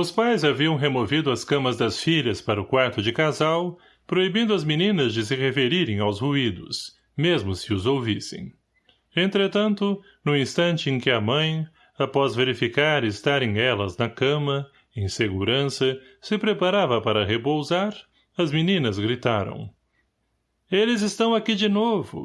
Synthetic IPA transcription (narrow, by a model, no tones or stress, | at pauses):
ʊspajzaviɐ̃w̃ɦemovid̪ʊɐskɐ̃mɐzd̪ɐsfiʎɐspaɾɐʊkwaɾt̪ʊd͡ʒɪkazaw | pɾoibĩnd̪ʊɐzminĩnɐzd͡ʒɪs̬ɪʁefeɾiɾẽj̃awzhuid̪ʊ̰s | mezmʊsɪʊzowvisḛ̃j̃ | ẽnt̪ɾet̪ɐ̃nt̪ʊ | nʊ̃ĩst̪ɐ̃nt͡ʃɪẽkɪɐmɐ̃j̃ | apɔzveɾifikaɾɪst̪aɾẽj̃ɛlɐznɐkɐ̃mɐ | ẽj̃seɡuɾɐ̃sɐsɪpɾepaɾavɐpaɾɐɦepowzaɾ | ɐzminĩnɐzɡɾit̪aɾɐ̰̃w̃ | elɪzɪst̪ɐ̃w̃akid͡ʒɪnovʊ̰